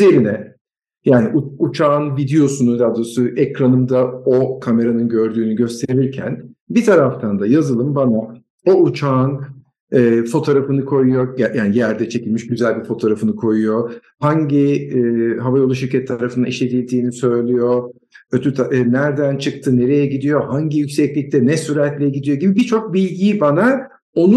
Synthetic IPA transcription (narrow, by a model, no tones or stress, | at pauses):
zeɾinɛ | jaːniʔuut͡ʃʰaːnvid̪ejo̞sunud̪ad̪osuʔɛkɾanɯmd̪ao̞kʰame̞ɾanɯnɟø̞ɾd̪yːnyɟø̞st̪ʰe̞ɾiɾcʰæ̰nbit̪ʰaɾaft̪ʰand̪ajazɯlˠɯmbana | o̞ut͡ʃʰaːn | ɛːfo̞t̪ʰo̞ːɾafɯnɯkʰo̞jujo̞ɟjaːnijæɾd̪ɛt͡ʃʰe̞cilʲmiʃɟyzælʲbiɾfo̞t̪ʰo̞ɾafɯnɯkʰo̞jujo̞ | haɲɟi | ɦavaɾouʃiɾcʰɛt̪ʰːaɾafɯna̰iʃlʲe̞d̪ilʲd̪iːnisø̞jlʲyjo̞ | øt̪ʰyt̪ʰanæɾd̪ænt͡ʃʰɯkt̪ʰɯne̞ɾejɛɟid̪ijo̞haɲɟijycʲsɛclʲic̚t̪ʰɛnɛsyɾɛt̪lʲɛjɛɟid̪ijo̞ɟibibit͡ʃʰo̞k̚bilʲɟiːbana | o̞nu